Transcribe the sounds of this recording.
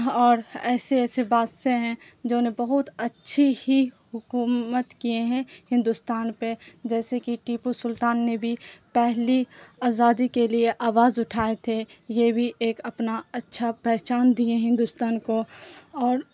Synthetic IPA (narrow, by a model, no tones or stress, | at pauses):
ɔːɾɛːseɛːsebaːd̪seɦɛ̃ | d͡ʒoːnebɐɦʊt̪ɐtːʃʰihiɦʊkuːmət̪kieɦɛ̃hɪ̃nd̪ʊst̪aːnped͡ʒɛːsekiʈiːpusʊlt̪aːnːebʱipɛɦliaːzaːd̪ikelieʔaːʋaːzʊʈʰaːet̪ʰejebʱiʔeːkɐpnaɐtːʃʰapɛɦt͡ʃaːnd̪ieɦɪ̃nd̪ʊst̪aːnkoɔːɾ